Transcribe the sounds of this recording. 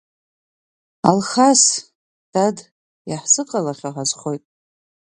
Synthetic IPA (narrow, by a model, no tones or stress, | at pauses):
a̰lχas | d̥ad | jaħsɨqʼalaχʲaħazχojtʼ